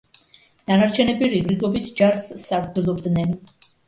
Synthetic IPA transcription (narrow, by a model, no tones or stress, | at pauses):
d̪̥anaɾt͡ʃʰɛnɛbiɾiɡɾiɡɔbit̪ʰd͡ʒaɾsːaɾd̪ɛlˠɔbd̪nɛn